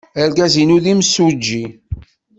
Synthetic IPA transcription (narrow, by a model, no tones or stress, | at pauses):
əɾɡæzinuðimsud͡ʒːi